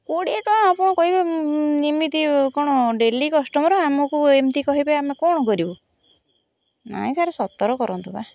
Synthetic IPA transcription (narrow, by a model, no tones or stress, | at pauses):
koɽieʈɔãapɔɽ̃ɔkɔɦibenimit̪ikɔɽ̃ɔɖelikɔsʈɔmɔɾɔamɔkuemt̪ikɔɦibeamekɔɽ̃ɔkɔɾibɔ | na̰ĩsaɾesɔt̪ɔɾɔkɔɾɔnt̪ɔba